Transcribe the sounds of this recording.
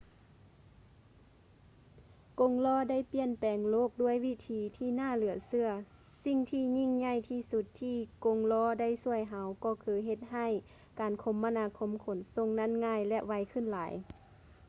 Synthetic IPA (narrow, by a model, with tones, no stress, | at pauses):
ko˧˦ŋlɔː˧˥˨da˥˨jpi˧ənpɛː˨ŋloː˧˥˨k̚du˧˩əjʋi˧˨t̪ʰiː˨˧˦t̪ʰiː˧˩naː˧˥˨lɯ˩˦ɐsɯ˧ɐ | si˧˨ŋt̪ʰiː˧ɲi˧˥˨ŋɲa˧˩˨jt̪ʰiː˧˩su˧˦t̪ʰːiː˧˨ko˧˥ŋlɔː˧˩˨da˧˥˨jsu˧˩əjɦa˧˦wkɔː˧˩kʰɯː˧ɦe˧t̪̚ɦa˧˩˨j | kaː˨˩nkʰo˧˦mːa˧naː˧˥kʰo˧˥˨mkʰo˨˦nso˧˨ŋna˧˥˨nŋaː˧˨jlɛ˧ʔʋa˧˥jkʰɯ˧˥˨nlaː˨˦j